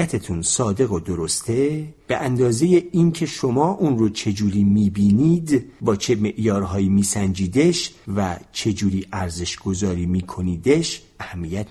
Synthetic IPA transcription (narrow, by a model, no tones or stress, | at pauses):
æt̪ʰet̪ʰunsɒːd̪e̞ɣod̪o̞ɾost̪ʰe̞b̥e̞ʔænd̪ɒːze̞je̞iːncʲʰe̞ʃo̞mɒːʔuːnɾot͡ʃʰe̞d͡ʒuːɾiːmiːbiːniːd̪bɒːt͡ʃʰeme̞ʔjɒːɾɦɒːjimiːsænd͡ʒiːd̪eʃvæt͡ʃʰe̞d͡ʒuːɾiːʔæɾze̞ʃɡ̥o̞zɒːɾiːmiːkʰo̞niːd̪eʃʔæhæmːiːjæt̪̚